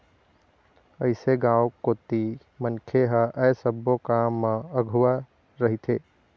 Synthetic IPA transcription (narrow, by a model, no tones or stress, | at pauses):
əɪseɡãwkot̪i | mənkʰeɦəʔəjsəbːokamːə̃əɡʱuwa | ɾəɦit̪ʰe